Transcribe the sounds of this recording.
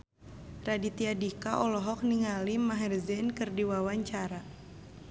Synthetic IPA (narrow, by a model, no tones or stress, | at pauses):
radit̪iadikaʔɔlɔɦɔk̚niŋalimaɦɛrzɛnkɨrdiwawaɲt͡ʃaɾa